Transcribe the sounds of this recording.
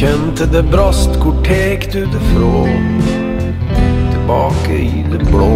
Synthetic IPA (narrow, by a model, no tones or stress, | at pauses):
ɛnt̪əd̪ebɾɑst̪kʰʊʈʰeːkd̪ʉːd̪əfɾoː | t̪ʰɪlbɑːkə̰id̪eblo